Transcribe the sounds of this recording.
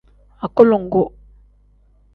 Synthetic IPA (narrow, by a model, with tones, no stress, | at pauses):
a˨ko˦lo˨ŋ˨ɡo˦